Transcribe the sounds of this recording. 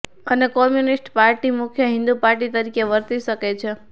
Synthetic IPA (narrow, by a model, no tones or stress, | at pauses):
ənekɔmjunisʈpaɾʈimʊkʰjəɦɪ̃nd̪upaɾʈit̪əɾikeʋəɾt̪iʃəket͡ʃʰe